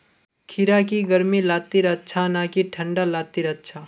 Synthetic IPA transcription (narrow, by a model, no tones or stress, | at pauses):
kʰiɾakiɡəɾmilaːt̪ːiɾətːt͡ʃʰanakiʈʰə̃ɳɖalat̪ːiɾət̪ːt͡ʃʰa